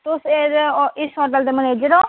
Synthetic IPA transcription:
t̪ʊseɾɪsɔɾd̪əld̪eːməneːd͡ʒəɾõː

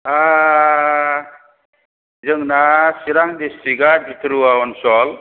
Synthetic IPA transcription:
a | zəŋnasiɾaŋd̪esiɡaɾbʱit̪ɾuawɔnsɔl

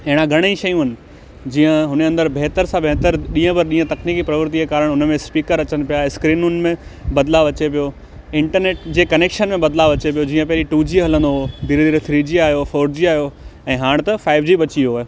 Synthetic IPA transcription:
ɐɦɪɽ̃ãɡʱɐɽ̃iʃɐjũɦɐnɪ̆ | d͡ʑiːə̃ɦʊnɐ̃nd̪əɾbʱeɦt̪əɾsãbʱeɦt̪əɾɗĩːə̃bɐɾɗĩːə̃t̪ɐkniːkipɾɐʋəɾt̪iekaːɾəɽʊnə̆mẽspiːkəɾɐt͡ɕənɪ̆pijaskɾiːnʊnɪ̆mẽbɐd̪laːʋɐt͡ɕepijo | ɪ̃ɳʈəɾneːʈd͡ʑeːkɐneːkʃənmẽbɐd̪laːʋɐt͡ɕepijod͡ʑĩːə̃pɐɦɪliʈuːd͡ʑiːɦɐlə̃nd̪oɦod̪iːɾd̪iːɾt̪ʰɾiːd͡ʑiaːjofoːɾd͡ʑiaːɦijoɛ̃ːɦaːɽ̃t̪ɐfaːɪʋd͡ʑiːɓɐt͡ɕioe

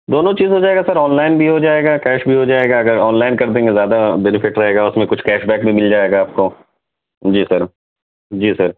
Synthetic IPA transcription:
d̪oːnõt͡ʃiːzɦod͡ʒaːeːɡasɐɾɔːnlaːɪnbʱiɦod͡ʒaːeːɡaːkɛːʃbʱiɦod͡ʒaːeːɡaɐɡəɾɔːnlaːɪnkɐɾd̪ẽːŋɡezjaːd̪abɛnɪfɪʈɾɐɦeːɡaʊsmẽkʊt͡ʃʰkɛːʃbɛːk̚bʱimɪld͡ʒaːeːɡaːp̚ko | d͡ʒiːsɐɾ | d͡ʒiːsɐɾ

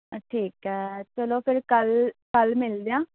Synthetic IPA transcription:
ʈʰiːkɦɛːt͡ʃəloːpʰɪɾkəlkəlmɪld̪eãː

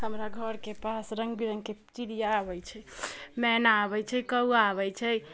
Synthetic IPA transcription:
həmɾaɡʱəɾkepasɾəŋɡbiɾəŋɡket͡ʃiɾijaːbɛjt͡ʃʰɛmɛnaːbɛt͡ʃʰɛkəuaβɛjt͡ʃʰɛ

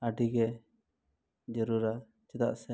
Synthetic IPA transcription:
aɖiɡɛ | d͡ʒəɾuɾa | t͡ʃɛt̪a̰ʔsɛ

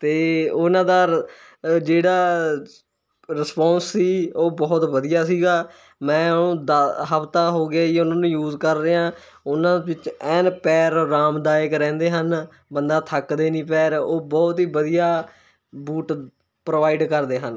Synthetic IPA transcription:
t̪eːʊnãːd̪aː | d͡ʒeːɽaː | ɾɪspɔ̃ːnsːiːoːbɔːt̪ʋəd̪ijaːsiːɡaː | mɛ̃ːnũːd̪aɦəpt̪ãːɦoːɡɪaːiːʊnãːnũːjuːzkəɾːeãː | ʊnãːʋɪt͡ʃɛːnpɛːɾːaːmd̪aːjəkɾɛ̃ːnd̪eːɦən | bənd̪aːt̪ʰəkd̪eːnĩːp̬ɛːɾoːbɔːt̪ɦiːbəd̪ijaː | buːʈ | pɾoːʋaːɪɖkəɾd̪eːɦən

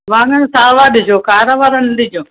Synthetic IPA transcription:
ʋãːŋənsaːʋaːɗɪd͡ʒoːkaːɾaʋaːɾənɗɪd͡ʒoː

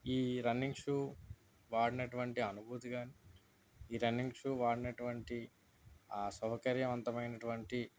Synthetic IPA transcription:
iːɾɐnːiŋʂuː | ʋaːɽinɐʈuʋɐɳʈiɐnubʱuːt̪iɡaːni | iːɾɐniŋʂuːʋaːɽinɐʈuʋɐɳʈi | aːsɐwɐkɐɾjɐʋɐnt̪ɐmɐjnɐʈuʋɐɳʈi

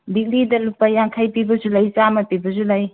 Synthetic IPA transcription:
dik̚lidɐlupːajaŋkʰajpibɐzulajt͡ʃamɐpibɐzulaj

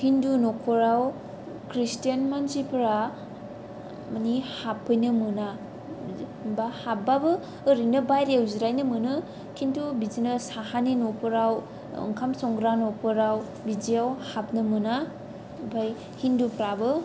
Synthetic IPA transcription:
hindunokʰoɾaw | kɾistijanmanzipʰɾa | mnihapʰːɯjnɯmɯna | bahap̚babɯː | ɾinɯbajɾewziɾajnɯmɯnɯ | kʰintʰubizinɯsahaninokʰoɾaw | ɯ̰ŋkʰamsɔŋɡɾanokʰoɾaw | biziawhap̚nɯmɯna | bʰaj | hindupʰɾabɯ

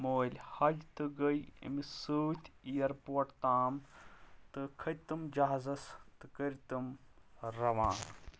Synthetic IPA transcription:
moːlʲhɐd͡ʒt̪ɨɡɐjḭmisuːt̪ʰʲijɐɾpoːʈt̪aːmt̪ɨkʰɐt̪ɨmd͡ʒaɦzɐst̪ɨkəɾt̪ɨmɾɐʋãː

